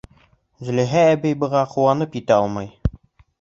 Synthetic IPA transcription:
zɘ̆lɘ̆ɦæːbɘjbɤ̆ʁɑquwɑnɤpjit̪æɒlˠmɑj

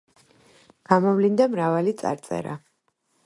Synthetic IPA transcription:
ɡ̥amɔvlind̪amɾavalit̪sʼa̰ɾt̪sʼɛ̰ɾa̰

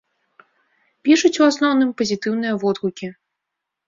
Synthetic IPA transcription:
pʲiʂut͡sʲuasnɔwnɨmpɐzʲit̪ɨwnɨjɐvɔd̪ɣukʲi

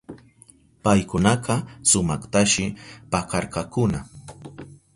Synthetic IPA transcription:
pajkʊnɑqɑsʊmɑχt̪aʃɪpakɑɾkɑkʊna

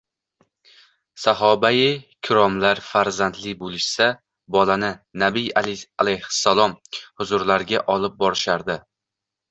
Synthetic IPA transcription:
saɦɒbajɪkʲʰʊɾɒmlaɾfaɾzand̪lɪbolˠɪʃsa | bɒlanɪnabɪjalajhɪ̥sːalˠɒmhʊzʊɾlaɾɡʲaʔɒlˠɪp̚bɒɾɪʃaɾd̪ɪ

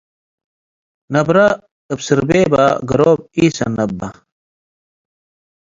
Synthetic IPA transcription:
nɐbɾɐ | əbsiɾbeːba̰ɡɐɾoːb̚iːsɐnɐbːɐ

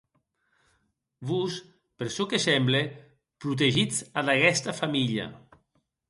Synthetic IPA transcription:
bus | peɾsɔkesɛmble | pɾut̪̬eʒid͡zaðakɛst̪afamiʎa̰

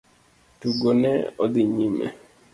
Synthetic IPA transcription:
tuɡonɛ̰od̪iɲimɛ̰

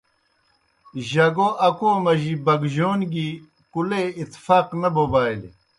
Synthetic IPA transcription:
ʑɐɡoʔɐkoːmɐʑibɐɡʑoːnɡi | kuleit̪faːqnɐbobaːil

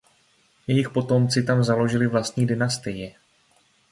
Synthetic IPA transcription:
jɛjɪxpo̞t̪o̞mt͡sɪt̪amzalo̞ʒɪlɪvlast̪ɲiːdɪnast̪ɪjɛ

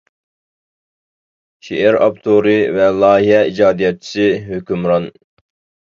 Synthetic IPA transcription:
ʃeʔæɾɑ̰pt̪ʰoɾɨvɛlˠɑːɦiɦɛid͡ʒɑːd̪ijɑt̪̚t͡ʃʰi̥sɨɦøkʲymɾɑn

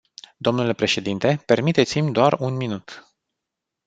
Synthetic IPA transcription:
d̪o̞mnule̞pɾe̞ʃe̞d̪int̪e̞pe̞rmit̪et̪simʲd̪oarunminut̪

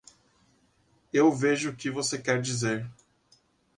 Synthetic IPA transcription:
ewveʒʊːkɪvosekɛɾd͡ʒizeɾ

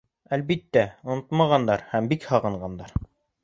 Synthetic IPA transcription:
ælβit̪ːæŏnot̪mɑʁɑnd̪ɑɾhæmbikhɑʁɤ̆ɴɢɑnd̪ɑɾ

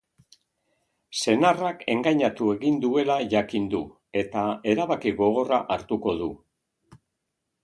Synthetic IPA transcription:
se̞narake̞ŋɡaɲat̪ue̞ɣind̪ue̞laʝakind̪u | e̞t̪ae̞ɾaβakiɣo̞ɣ̞o̞raʔaɾt̪uko̞ðu

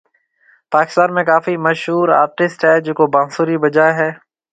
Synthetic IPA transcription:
paːkɪ̥st̪aːnmẽkaːfiməʃɦuːɾa̰ːɾʈɪsʈɦɛːd͡ʒʊːkobãːsuːɾibəd͡ʒaːeɦɛː

